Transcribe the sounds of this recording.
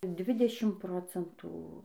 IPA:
ˈdʲʋʲɪdʲɛʃʲɪm ˈproːt͡sʲɛntuː

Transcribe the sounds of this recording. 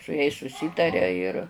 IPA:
sʊ jɛɪs sʊˈsʲiːtɐrʲɛ ɪr

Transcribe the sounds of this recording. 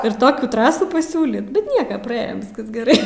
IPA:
ɪr ˈtoːkʲuː ˈtrɑːsuː pɐˈsʲuːlʲiːt bʲɛt ˈnʲiɛkɐ prɐˈeːjoːm ˈʋʲɪskɐs ɡʲɛˈrɐɪ

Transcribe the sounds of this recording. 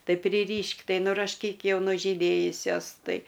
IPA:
ˈtɐɪ pʲrʲɪˈrʲiːʃʲkʲ ˈtɐɪ nʊrɐʃʲˈkʲiːk ˈjɛʊ nʊʒʲiːˈdʲeːjʊsʲoːs ˈtɐɪ

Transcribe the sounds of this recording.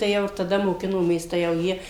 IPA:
tɐɪ ˈjɛʊ ɪr tɐˈdɐ moːˈkʲɪnoːmʲeːs tɐɪ jɛʊ ˈjiɛ

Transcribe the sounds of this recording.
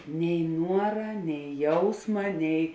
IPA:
nʲɛɪ ˈnuɔrɐ nʲɛɪ ˈjɛʊsmɐ nʲɛɪ

